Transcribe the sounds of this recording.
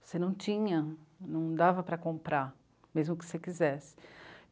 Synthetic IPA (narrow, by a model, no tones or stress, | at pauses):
senɐ̃w̃t͡ʃĩɲɐnɐ̃w̃d̪avɐpɾɐkõmpɾaɾ | mezmʊkɪ̥sekizɛsɪ̥